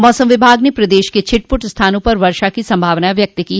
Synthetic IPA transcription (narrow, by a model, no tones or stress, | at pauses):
mɔːsəmʋɪbʱaːɡnepɾɐd̪eːʃket͡ʃʰɪʈ̚pʊʈst̪ʰaːnõpɐɾʋɐɾʃakisɐ̃mbʱaːʋnaʋjɐk̚t̪ki